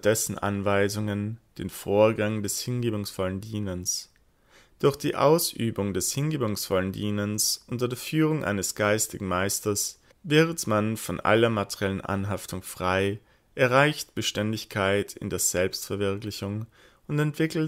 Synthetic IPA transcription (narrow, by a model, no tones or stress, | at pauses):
d̥ɛsn̩ʔa̰nvaɪzʊŋənd̥eːnfoːɐɡaŋdɛshɪnɡeːbʊŋsfɔləndiːnəns | d̥ʊɐçd̥iːʔa̰ʊsʔy̰ːbʊŋdɛshɪnɡeːbʊŋsfɔləndiːnənsʔʊntɐdeːɐfyːʁ̞ʊŋʔa̰ɪnəsɡ̥aɪstɪɡŋ̩maɪstɐs | vɛːʁətmanfɔnʔa̰lɐmatʰɛʁiɛlənʔa̰nɦaftʰʊŋfʁ̥aɪ | ʔɛɐʁaɪçtb̥əʃtɛndɪçkʰaɪtʰɪ̰ndeːɐz̥ɛlpstfɛɐvɪɐklɪçʊŋ | ʊntɛntv̥ɪkl̩t